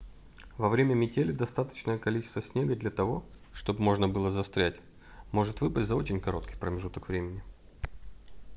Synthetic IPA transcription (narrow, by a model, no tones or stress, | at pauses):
vɐvɾʲemʲəmʲɪtʲelʲɪd̪ɐst̪at̪ə̥t͡ɕnəjəkɐlʲit͡ɕɪ̥st̪vəsʲnʲe̞ɡəd̪lʲɐt̪ɐvo̞ | ʂt̪o̞bmo̞ʐnəbɨlˠəzɐst̪ɾʲætʲ | mo̞ʐɨt̪vɨpətʲzɐo̞t͡ɕɪnʲkɐɾo̞t̪̚kʲɪjpɾəmʲɪʐut̪əkvɾʲemʲɪnʲɪ